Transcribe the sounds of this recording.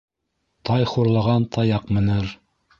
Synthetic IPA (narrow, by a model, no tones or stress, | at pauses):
t̪ɑjχuɾlˠɑʁɑnt̪ʰɑjɑqmɤ̆nɤɾ